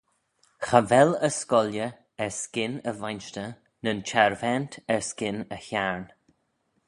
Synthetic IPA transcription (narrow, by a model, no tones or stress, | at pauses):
xavɛləskɔljə | ɛɹskɪnəvajnʃtə | nənt͡ʃʰaɹvɛntʰɛɹskɪnəçaɹn